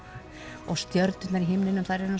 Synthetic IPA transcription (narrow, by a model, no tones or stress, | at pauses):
ɔɣst̪jœɾt̪nʏt̪naɾiɦɪmnɪnʏmθaðɾɛɾʏna